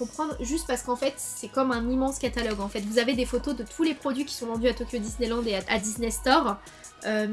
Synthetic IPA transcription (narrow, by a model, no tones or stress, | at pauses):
kɔ̃pχɑ̃d̪ʁʒyst̪paʁsə̥kɑ̃fɛt̪ | sɛkɔmɛ̃nimɑ̃skat̪alɔɡɑ̃fɛt̪vuzaved̪efot̪od̪ət̪ʰulepχɔd̪ɥikʲi̥sɔ̃vɑ̃d̪yat̪okʲjod̪isnelɑ̃d̪eaa̰d̪isnest̪ɔʁ | ø